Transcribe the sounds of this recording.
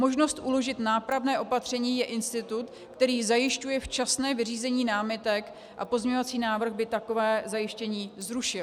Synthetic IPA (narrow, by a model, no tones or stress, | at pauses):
mo̞ʒno̞st̪ʔulo̞ʒɪt̪naːpɾavnɛːʔo̞pat̪r̝̥ɛɲiːjɛʔɪnst̪ɪt̪ut̪ | kt̪ɛɾiːzajɪʃcujɛft͡ʃasnɛːvɪriːzɛɲiːnaːmɪt̪ɛk | ʔa̰pozɲeɲovat͡siːnaːvr̩ɣbɪt̪ako̞vɛːzajɪʃcɛɲiːzɾuʃɪ